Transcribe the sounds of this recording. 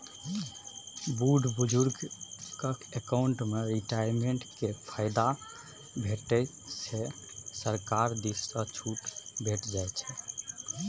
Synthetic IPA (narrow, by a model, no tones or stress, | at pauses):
buɖʱbud͡ʒuɾɡkəkekaʊɳʈmeɾiʈajɾmeɳʈkepʰaɪd̪a | bʱeʈəj | se | səɾkaɾd̪issət͡ʃʰuʈbʱeʈd͡ʒajt͡ʃʰɛ